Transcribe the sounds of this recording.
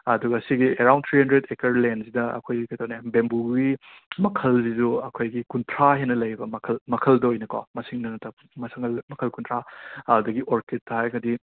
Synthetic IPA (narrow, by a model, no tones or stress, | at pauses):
ɐduɡɐːsiɡieɾawnt̪ʰɾihɐndɾedekɐɾlensidɐɐ̰kʰojkɐjt̪ʰownebembuɡi | mɐkʰɐlsizuɐkʰojɡikunpʰɾaɦenɐlɐjɾibɐmɐkʰɐlmɐkʰɐldɐojnɐko̰mɐsiŋnɐnɐtɐ | mɐsɐŋɐlmɐkʰɐlkunpʰɾaɐdɐɡiʔoɾket̚tːɐɦajɡɐdi